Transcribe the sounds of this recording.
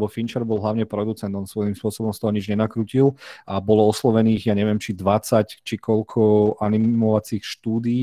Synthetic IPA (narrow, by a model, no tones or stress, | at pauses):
bɔfint͡ʃɛɾbɔlˠɦlaʊɲɛpɾɔd̪ut͡sɛnd̪ɔnsʋɔjimspʊɔsɔbɔmst̪ɔɦɔɲid͡ʒɲɛnakɾuːcilabɔlɔɔslɔʋɛniːɣjaɲɛʋɪɛmt͡ʃid̪ʋat͡sact͡ʃikʰɔʎkʰɔʔanimɔʋat͡siːxʃt̪uːd̪iː